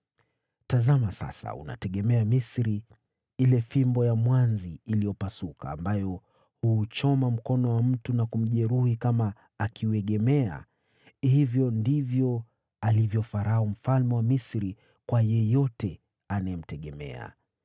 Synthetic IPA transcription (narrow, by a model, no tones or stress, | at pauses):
tazamasa̰sa̰ṵna̰tɛɠɛmɛamisɾi | ilɛfimbɔjamwanziːlijɔpasukʰa̰ːmbajɔ | huːt͡ʃɔmam̩kɔnɔwam̩tunakum̩ʄɛɾuhikamaː | kiuɛɠɛmɛa̰ | hivjɔndivjɔ | alivjɔfaɾahum̩falmɛwamisɾi | kwajɛjɔtɛ | anaɛm̩tɛɠɛmɛ̰a̰